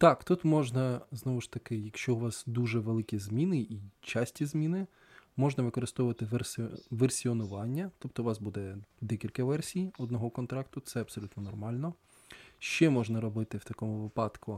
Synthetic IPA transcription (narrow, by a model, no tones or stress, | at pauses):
t̪ɑkt̪ut̪mɔʒnɐznɔʋʊʃt̪ɐkɪjɐkʃt͡ʃɔʊʋɑsd̪uʒɛʋelˠɪkʲizʲmʲinɪʔit͡ʃɑsʲtʲizmʲinɪ | mɔʒnɐʋɪkɔɾɪst̪ɔʋʊʋɐt̪ɪʋersʋersʲiɔnʊʋɑnʲːɐt̪ɔp̚t̪ɔʋɑsbud̪ɛd̪ɛkʲilʲkɐʋɛrsʲijɔd̪nɔɦɔkɔnt̪ɾɑkt̪ʊt̪sɛɐb̥sɔlʲut̪nɔnɔrmɑlʲnɔ | ʃt͡ʃɛmɔʒnɐɾɔbɪt̪ɪwt̪ɐkɔmʊʋɪpɑt̪kʊ